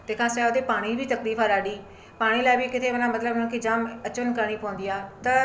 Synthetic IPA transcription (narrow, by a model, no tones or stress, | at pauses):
t̪eːkʰãːsɛːod̪eːpaːɽ̃ibiːt̪əkliːfaːɾaːɖiː | paːɽ̃iːlaːɪbikɪt̪ʰeʋənãːmət̪ləbnʊ̃kiːd͡ʒaːmət͡ʃʋənkəɾɽ̃iːpõːnd̪ijaːt̪ɐ